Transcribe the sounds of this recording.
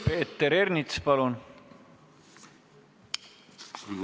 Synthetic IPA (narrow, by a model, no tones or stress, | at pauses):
peːt̪ːeɾernit̪spɑlun